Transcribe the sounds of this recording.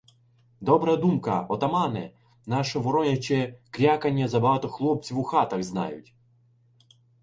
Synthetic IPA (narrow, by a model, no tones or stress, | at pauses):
d̪ɔbɾɐd̪umkɐ̰ɔt̪ɐmɑnɪ̰ | nɑʃɔʋɔɾɔnʲɐt͡ʃɛkɾʲakɐnʲːɐzɐbɐɦɑt̪ɔxlˠɔp̚t͡sʲiwuxɑt̪ɐɣznɑ̰jʊ̰tʲ